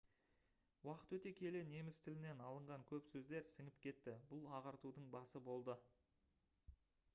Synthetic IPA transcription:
wɑqət̪wɵt̪e̞kʲʰe̞le̞ne̞mɪst̪ʰɪlɪne̞nɑlˠəɴʁɑŋkʲʰɵpsɵzd̪e̞ɾsɪŋɪp̚kʲʰe̞t̪ːɪbʊlˠɑʁɑɾt̪ud̪əɴbɑsəbo̞lˠd̪ə

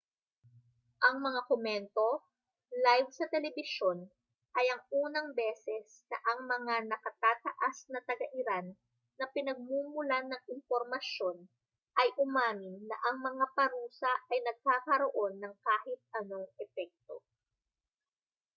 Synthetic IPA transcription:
ʔɐŋmɐŋakomɛnt̪o̞ | lajvsɐt̪ɛlɛbɪʃo̞n | ʔɐjɐŋuːnɐŋbɛːsɛs | nɐʔɐŋmɐŋanɐkɐt̪aːt̪ɐʔasnɐt̪ɐɡɐʔɪɾanː | ɐpɪnɐɡ̚muːmʊlanɐŋɪnpo̞ɾmɐʃjo̞n | ʔɐjʔʊmaːmɪnːɐ̰ʔɐŋmɐŋapɐɾuːsɐʔɐjnɐɡ̚kaːkɐɾoʔo̞nːɐŋkaːhɪt̪̚ʔɐno̞ŋʔɛpɛk̚t̪o̞

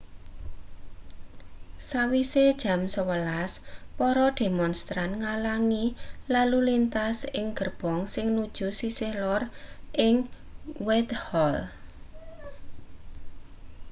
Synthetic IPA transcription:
sawised̥ʒ̥ä̤msəwəlaspɔɾɔd̪̥e̤mɔnst̪ɾanŋalaŋilalulint̪asɪŋɡ̥ə̤rb̥ɔ̤ŋsɪŋnud̥ʒ̥ṳsisɪhlɔrʔɪŋ | wɛt̪hɔl

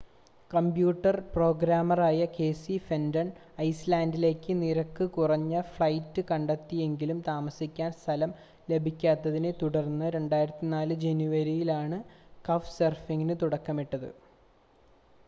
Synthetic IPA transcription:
kɐmbjuːʈːɐrpro̞ːɡɾaːmɐraːjɐke̞ːsifendɐɳ | ɐjslaːndile̞ːkːɨniɾɐkːɨkurɐɲːɐfɭɐjtːɨkɐɳɖɐt̪ːije̞ŋɡilumt̪aːmɐsikʲːaːnst̪ʰɐlɐm | le̞bʱikʲːaːt̪ːɐðine̞t̪uɽɐrnːɨɾe̞ɳɖaːjiɾɐt̪ːinaːlɨd͡ʑenjuʋɐɾijilaːɳɨkɐfserfiŋːinɨt̪uɽɐkːɐmiʈːɐðɨ̰

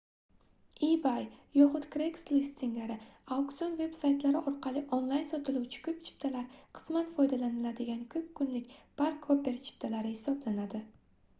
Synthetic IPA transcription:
ibajjɒχʊt̪kɾekslist̪ɪŋlaɾɪawkt̪onve̞bsajt̪laɾɪʔɒɾqʰɑlˠɪʔonlˠajnsɒt̪ʰɪlˠuwt͡ʃʰɪ̥kʰɵp̚t͡ʃʰɪ̥p̚t̪ʰalaɾqʰɨ̥smanfɒjd̪alanɪlad̪ɪɡʲankʰɵp̚kʰʊnlɪkʲbaɾkʰope̞ɾt͡ʃʰɪ̥pt̪ʰalaɾɪhɪsɒblanad̪ɪ

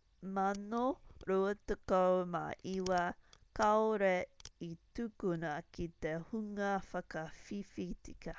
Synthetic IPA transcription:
mɐnoɾuətekowma̰ʔiwɐkaoɾeitukunɐkit̪ehuŋɐfɐkɐfifitikɐ

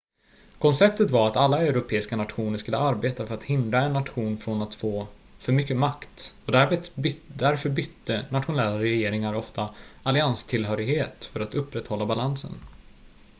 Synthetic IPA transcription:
kʰɔnsɛp̚t̪ət̪vaɾat̪alːaɛɾʊpʰeːɪskanat̪ɧuːnəʂkɵlːəaɾbeːt̪afœɾat̪hɪnd̪ɾaɛnːat̪ɧuːnfɾɔnat̪foː | fœɾmʏkːəmakt̪ɔd̪æɾmet̪d̪æɾfœɾbʏt̪ːənat̪ɧʊnɛlːaɾɛjeːɾɪŋaɾɔft̪aalɪanst̪ʰɪlɦœːɾɪɡheːt̪fœɾat̪ɵpːɾɛt̪hɔlːabalansə̰n

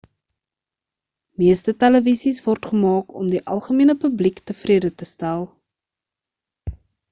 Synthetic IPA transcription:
miəstətɛləvisisvɔrtχəmɑːkɔmdiʔɐlˠχəmiənəpəbliktəfriədətəstælˠ

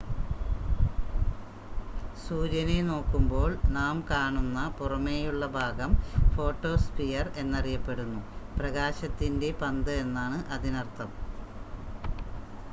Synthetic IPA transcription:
suːd͡ʑɐneno̞ːkːumbo̞ːɭnaːmkaːɳunːɐpurɐmejuɭːɐbʱaːɡɐmfo̞ːʈːo̞ːspijɐre̞nːɐrijɐpːe̞ɽunːuprɐɣaːɕɐt̪ːinde̞pɐnd̪ɨe̞nːaːɳɨʔɐðinɐrt̪ːɐm

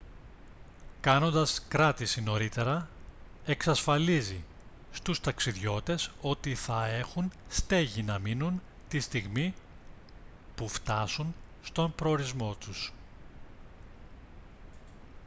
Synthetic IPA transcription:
kɐno̞nd̪ɐskɾɐt̪isino̞ɾit̪e̞ɾɐ | e̞ksɐsfɐlizi | st̪ust̪ɐksiðʝo̞t̪e̞so̞t̪iθɐe̞xunst̪e̞ʝinɐminun | t̪ist̪iɣmi | puft̪ɐsunst̪o̞mpɾo̞ːɾizmo̞t̪us

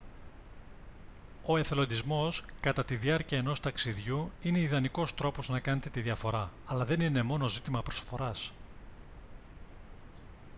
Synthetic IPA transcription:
o̞e̞θelo̞nd̪izmo̞skɐt̪ɐt̪iðiɐɾciɐe̞no̞st̪ɐksiðʝuine̞iðɐniko̞st̪ɾo̞po̞znɐkɐne̞t̪et̪iðiɐfo̞ɾɐɐlɐðe̞nine̞mo̞no̞zit̪imɐpɾo̞sfo̞ɾɐs

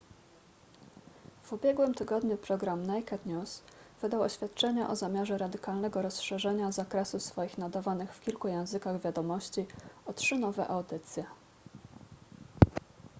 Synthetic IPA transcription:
v̥ubʲjɛɡwɘmt̪ɘɡɔd̪ɲupɾɔɡɾamnajkɛt̪ɲʲusv̥ɘd̪awɔɕfʲjat̪̚t͡ʂɛɲaʔɔzamʲjaʐɛɾad̪ɘkalnɛɡɔɾɔsʂɛʐɛɲazakɾɛsusfɔjixnad̪avanɘxfkʲilkujɛ̃w̃zɘkaɣvʲjad̪ɔmɔɕt͡ɕiɔtʂɘnɔvɛ̰ʔawd̪ɘt̪sʲjɛ

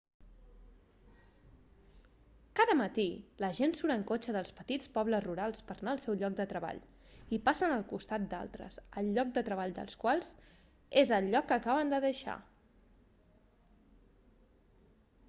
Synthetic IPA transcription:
kaðəmət̪iləʒensuɾəŋkot͡ʃəðəlˠspət̪it͡spɔβləzruɾalˠspəɾnaəlˠsɛwʎɔk̚d̪ət̪ɾəβa̰ʎ | ipasənəlˠkust̪at̪̚d̪a̰lˠt̪ɾə̰z̥əlˠʎːɔk̚d̪ət̪ɾəβ̞aʎd̪ə̰lˠskwalˠz̥ | ezəlʎːɔkːəkaβ̞ənd̪əðəʃa̰

